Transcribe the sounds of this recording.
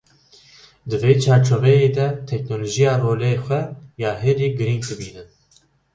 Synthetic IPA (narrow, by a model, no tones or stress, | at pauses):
d̪ɨveːt͡ʃʰɑːɾt͡ʃʰovɛjeːd̪ɛt̪ʰɛknoːloːʒijɑːroːleːxʷɛjɑːɦeːd̪iːɡɨɾiŋɡ̚d̪ɨbiːnɨn